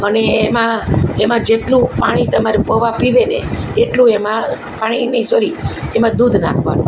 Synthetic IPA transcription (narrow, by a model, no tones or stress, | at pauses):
əneːmãemãd͡ʒeʈlũpaɽ̃it̪əmaɾepəʋapiʋeneeʈlũemã | paɽ̃inəĩsoɾiemãd̪ud̪ʱna̰kʰʋa̰nṵ̃